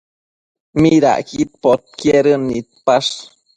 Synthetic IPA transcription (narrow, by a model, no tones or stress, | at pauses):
miɾa̰ʔkit̪̚pot̪̚kjeɾənːit̪̚paʂ